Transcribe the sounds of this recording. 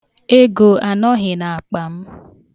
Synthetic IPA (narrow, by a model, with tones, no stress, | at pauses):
e˦ɡo˨a˨nɔ˦ɦɪ˨na˨a˨k͡pa˨m̩˦